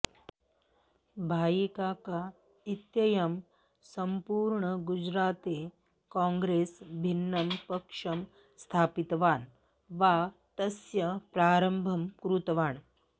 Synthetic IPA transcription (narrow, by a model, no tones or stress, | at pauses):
bʱaːjikaːka | it̪jɐjɐm | sɐmpuːɾɳɐɡud͡ʒɾaːt̪e | kãːŋɡɾeːsbʱinːɐmpɐkʂɐm | st̪ʰaːpit̪ʋaːn | ʋa | t̪ɐsjɐpɾaːɾɐmbʱɐmkɾut̪ɐʋaːɳ